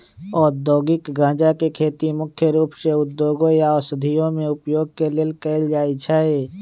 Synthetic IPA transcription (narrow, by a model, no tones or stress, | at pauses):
ɔːɾd̪ɔːɡɪkɡãːd͡ʒakekʰeːt̪imʊkʰjəɾuːpseʊd̪ːjoːɡõjaɔsəd̪ʱijõmẽʊpjoːɡ̚keleːlkɛɪld͡ʒaːit͡ʃʰae